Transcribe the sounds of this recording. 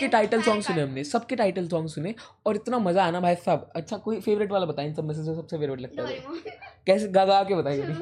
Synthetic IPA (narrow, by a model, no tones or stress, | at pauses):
keʈaːɪʈəlsɔ̃ːŋɡsʊneɦɐmnesɐb̚keʈaːɪʈəlsɔːŋɡsʊne | ɔːɾɪt̪namɐzaːnabʱaːjsɐbɐtːʃʰakoːifeːʋɾɪʈʋaːlabɐt̪aːeɪnsɐbmɛs̬ed͡ʒkosɐbseʋeːɾbɐɽilɐɡ̚t̪aɦa̰kɛːseɡaːɡaːkebɐt̪aːiaːdi